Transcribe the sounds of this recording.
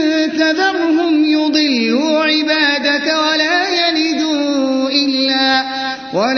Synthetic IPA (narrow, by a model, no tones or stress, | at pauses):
kaðɑɾʊɦʊmjʊd̪ˤɨlːuːʕɪbaːd̪akwalaːjaliːd̪uːʔɪlːaː | wʔal